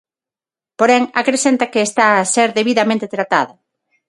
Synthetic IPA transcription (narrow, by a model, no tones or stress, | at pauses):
poɾɛŋakɾesent̪ɐkeːst̪aaseɾðeβiðɐmẽnt̪et̪ɾat̪a̰ðɐ